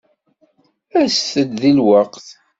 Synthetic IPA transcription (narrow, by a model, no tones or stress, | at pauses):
æsθəd̪ðilwɑqθ